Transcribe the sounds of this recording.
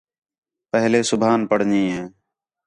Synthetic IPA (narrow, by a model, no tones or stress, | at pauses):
pəɦleːsʊbʱaːnpəɽ̤ɲĩːɦẽː